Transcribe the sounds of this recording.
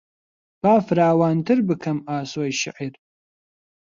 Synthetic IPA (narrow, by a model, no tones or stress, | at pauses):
b̥aːfɨɾaːwaːntʰɨrbɨkʰɐmaːswɐjʃɪ̰ʕir